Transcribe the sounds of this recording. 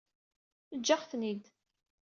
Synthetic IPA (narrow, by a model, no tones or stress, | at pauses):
əd͡ʒːaχθnid̪